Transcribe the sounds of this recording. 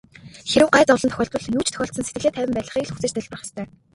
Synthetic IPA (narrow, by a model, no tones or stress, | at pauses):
xeɾɘ̆wɢaːjt͡sɔwɮɞ̆nt̪œ̥xʲɔːɬt̪pə̆ɮnuːt͡ɕʰt̪ʰœ̥xʲɔːɬt̪sənset̪ɡɘ̆ɮeːt̪ʰæwʲɪ̆mpæːɮə̆χiːkɮxut͡sɘ̆t͡ɕt̪ʰæɮprɔ̆χə̥̆st̪ʰœː